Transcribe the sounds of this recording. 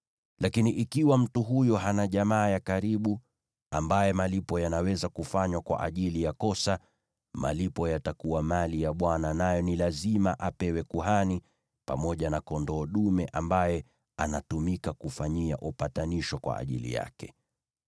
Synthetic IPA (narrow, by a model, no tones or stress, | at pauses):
lakiniʔikiwam̩tuɦujɔɦanaʄamaːjakaɾiɓu | ambajɛmalipɔjanawɛzakufaɲwakwa̰ʔa̰ʄilijakɔsa | ma̰lipɔjatakuwamalijaɓwananajɔnilazimaʔapɛwɛkuɦani | pa̰mɔʄanakɔndɔːɗumɛʔambajɛ | anatumikakufaɲiaʔupataniʃɔkwa̰a̰ʄḭlḭja̰kɛ̥